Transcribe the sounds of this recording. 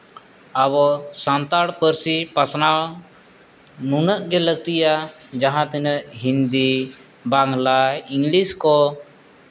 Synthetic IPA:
aβɔsant̪aɽpəɾsipasnaɭ | nunəʔɡɛləɡ̚t̪ijad͡ʒaɦãt̪inəʔɦind̪i | baŋlaiŋliskɔ

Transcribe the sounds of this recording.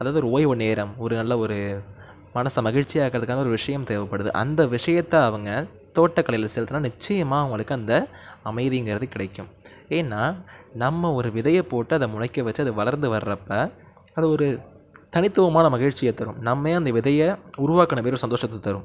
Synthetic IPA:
ɐðaːðɯɔɾɯoːjɔɾneːɾɐmɔɾɯnɐlːɐɔɾɯ | mɐnɐsɐmɐɣɪɻt͡ʃɪjaːkɪɾɐðɯkːaːnɐɔɾɯʋɪʂɐjɐmt̪eːʋɐpːɐɽɯðɯ̰ʔɐ̰nd̪ɐʋɪʂɐjɐt̪ːɐɐʋɐŋɡɐ | t̪oːʈːɐkːɐɭɐjɪlɐsɛlt̪ɯnːaːnɪt͡ʃːɐjɐmaːɐʋɐŋɡɐɭɯkːɯɐnd̪ɐ | ɐmɐɪðiŋɡɪɾɐðɯkːɪɽɐɪkːɯ̰m | eːnːaːnɐmːɐɔɾɯʋɪðɐjɐpoːʈːɯɐðɐmʊɳɐɪkːɐʋɐt͡ʃːɯɐðɯʋɐɭɐɾnd̪ɯʋɐɾɾɐpːɐ | ɐðɯɔɾɯ | t̪ɐnɪt̪ːɯʋɐmaːnɐmɐɣɪɻt͡ʃɪjɐt̪ːɐɾɯ̰̃mnɐmːeːɐnd̪ɐʋɪðɐjɐʊɾʊʋaːkːɐnɐpeːɾɔɾsɐnd̪oːʂɐt̪ːɐt̪ːɐɾɯ̰̃m

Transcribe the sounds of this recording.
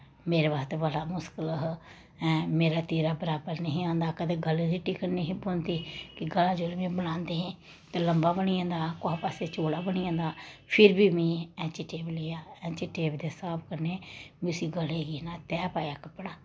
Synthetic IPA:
meːɾeːbaːst̪eʋəlaːmʊskələɦ | ɛ̃meːɾaːt̪iːɾaːbəɾaːbəɾnəɦĩːãːnd̪aːkəd̪eːɡəlẽd̪iːʈiːkəɾneːɦĩːboːnt̪iːkɪɡəlaːd͡ʒoːɾmẽːbənãːnd̪eːɦɛ̃ː | t̪eːləmbaːbəɽiːãːnd̪aːkʊaːpaːseːt͡ʃoːɽaːbəɽ̃iːãːnd̪aːpʰɪɾbiːmĩːɛ̃ːt͡ʃiʈeːbleːjaːɛ̃ːt͡ʃiːʈeːbd̪eːsaːpʰkəɾneːmĩʊsiːɡəleːɡiːnaːt̪ɛːpaːjaːkəpːɽaː

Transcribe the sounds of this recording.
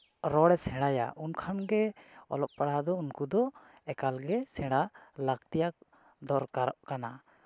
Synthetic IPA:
ɾɔɽɛsɛ̃ɽaja̰ʔunkʰanɡɛɔ̰lɔp̚paɽad̪ɔunkud̪ɔ | ɛkalɡɛsɛ̃ɽalakt̪ijak̚ | d̪ɔɾkaɾɔʔkana

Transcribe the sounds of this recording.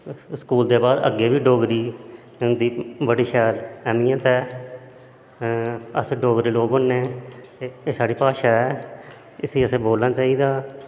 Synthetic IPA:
skuːld̪eːbaːd̪ə̰ɡːeːbiːɖoːɡɾiː | nd̪iːbəɽiːʃɛːlɛːmiːãːt̪ɛː | ə̰sẽɖoːɡɾiːloːɡənːeː | eːsaːɽiːpaːʃaːɛː | ɪsiːəsẽːboːlnãːt͡ʃaːiːd̪aː

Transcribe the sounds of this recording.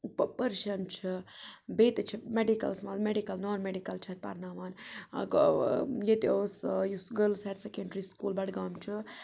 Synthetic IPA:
uppəɾʃɐmt͡ʃʰibeːt̪t͡ʃʰimeɖikɐ̰lsmaːlmeɖikɐlnaːɾmeɖikɐlt͡ʃʰɐt̪̚ʲpa̰ɾnaːʋaːnkjet̪eosjusɡəlseɾsekeɳɖɾiːskuːlbɐɽɡaːmt͡ʃʰɨ

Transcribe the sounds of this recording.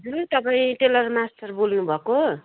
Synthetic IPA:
ɦt̪ʌpaĩʈelʌrmasʈʌrbolnũbʱʌko

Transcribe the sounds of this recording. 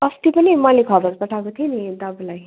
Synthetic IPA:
ʌst̪ipʌnimʌlekʰʌbʌɾpʌʈʰakot̪ʰienid̪ʌblaj

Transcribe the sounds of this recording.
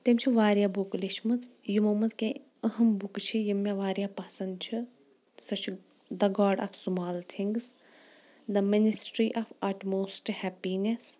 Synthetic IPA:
t̪emt͡ʃʰiʋaːɾjabukliʃmɐt͡sjumɐmɐt͡skẽ | əɦɐmbukt͡ʃʰijimjaʋaːɾjapasɐnd̪t͡ʃʰi | sɐt͡ʃʰ | d̪ɐɡaːɖa̰fsumaːlt̪ʰiŋɡs | d̪ɐminisʈɾiʔafaʈmoːsʈhɛpines

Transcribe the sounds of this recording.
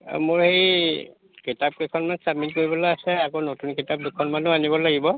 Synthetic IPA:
mʊɹhej | kitap̚kekʰɔnmansamitkoɹibɔlaasɛakonotunkitap̚dukʰɔnmanuanibɔlaɡibɔ

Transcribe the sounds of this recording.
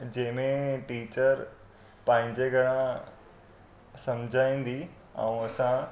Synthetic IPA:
d͡ʑẽːmẽʈiːt͡ɕəɾ | pãːɦɪ̃ɲd͡ʑeɡʱəɽã | sɐmd͡ʑʱaĩːnd̪i | a̰ũɐsã

